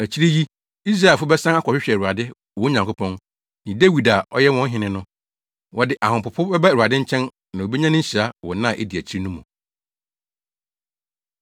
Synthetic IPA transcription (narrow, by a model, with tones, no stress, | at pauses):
æ˨t͡ɕʰi˦ɾi˦ji˦ | i˦s̬ɾa˦e˨fʊ˦bɛ˦sã˦a˦kʰʷɔ˨ɕᶣɪ˦ɕᶣɛ˨ɾu˨a˨dɪ˦ | wɔ˨˦ɲã˨ŋkʰʊ˦pʰɔ̃˦n | nɪ̃˨dæ˦wi˨da˨ɔ̰˦jɛ˦wɔ̃˦n̩˦ɦɪ̃˨nɪ̃˦nʊ̃˦ | wɔ˨dɪ˨ʔa˨hʊ̃˨pʊ˨pʰʊ˦bɛ˦ba˦˨a˨dɪ̃˦ɲ̩˦t͡ɕʰɛ̃˦n | nã˨o˨be˦ɲã˦nʊ̃˦ɲ̩˦ɕi˨ɾa˦wɔ˨nã˦˨ʔe˦di˨æ˨t͡ɕʰi˦ɾi˦nũ˦mũ˨